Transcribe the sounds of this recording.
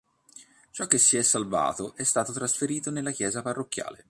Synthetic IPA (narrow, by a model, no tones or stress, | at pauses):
t͡ʃɔk̟ːesːiɛsːalva̰ːt̪oʔɛst̪aːt̪ot̪ɾasfeɾiːt̪onelːak̟jɛːzaparːokːja̰ːle